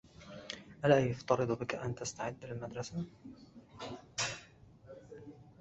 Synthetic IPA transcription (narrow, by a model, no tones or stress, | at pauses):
ʔalaːjʊft̪ɑɾɨd̪ˤbɪkaʔant̪ast̪aʕɪd̪ːlɪlmad̪ɾˤɑsa